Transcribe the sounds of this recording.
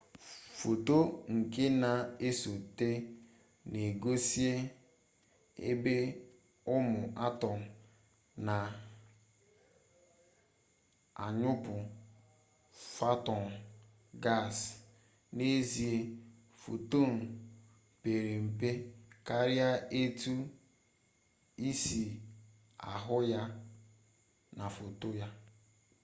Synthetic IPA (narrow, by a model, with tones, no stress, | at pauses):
fo˨to˦ŋ̩˨ke˦na˨e˦so˨te˦ | ne˨ɡo˦si˦e˦ | ḛ˦be˦ | ʊ˦mʊ˨ʔa˦tɔ˨n̩˨ | na˨ | a˨ɲʊ˦pʊ˨ | fa˦tɔ˨n̩˨ | ɡa˦˨s | ne˦zi˨e˦ | fo̰˨to˦˨n̩˨ | pe˨ɾe˨m̩˨pe˦ka˦ɾja˦e˦tu˦ | i˦si˨ | a̰˨ɦʊ˦ja˦ | na˨fo˨to˦ja˦